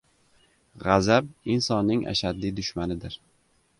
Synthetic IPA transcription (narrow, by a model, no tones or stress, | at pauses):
ʁazab̚insɒnːɪŋa̰ʃad̪ːid̪ʊʃmanɪd̪ɪɾ